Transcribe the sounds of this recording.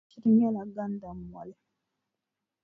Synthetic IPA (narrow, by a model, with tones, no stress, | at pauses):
i˦ɾi˦ɲa˦la˨ɡa˦n˦da˨m˨a˨lɛ˦˨